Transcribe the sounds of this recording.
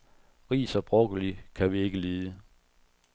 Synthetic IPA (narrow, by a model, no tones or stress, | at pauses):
ʁḭːsɐb̥ʁɔɡ̥əlikʰæʋie̝ɡ̥əleːðˠə